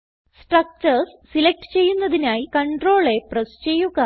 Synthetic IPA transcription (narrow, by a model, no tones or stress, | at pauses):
sʈrɐk̚t͡ɕɐɾssilek̚ʈɨ̥t͡ɕe̞jːunːɐðinaːjikɐɳɖro̞ːɭe̞prest͡ɕe̞jːuɣa